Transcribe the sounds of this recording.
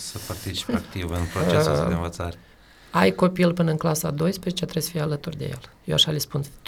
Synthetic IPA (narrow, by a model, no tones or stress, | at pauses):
səpart̪it͡ʃi̥pakt̪ivɨnpɾot͡ʃed̪eɨnvət̪saɾe | ajko̞pilpɨnəɨŋklasad̪o̞jspɾezet͡ʃet̪ɾesə̥fijalət̪urd̪e̞̰je̞̰ljewaʃalʲispun